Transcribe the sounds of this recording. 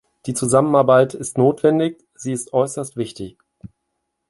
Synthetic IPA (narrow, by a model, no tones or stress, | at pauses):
d̥iːt͡suzamənaɐbaɪtʰɪstnoːtv̥ɛndɪç | z̥iːɪstʔɔʏsɐstv̥ɪçtɪç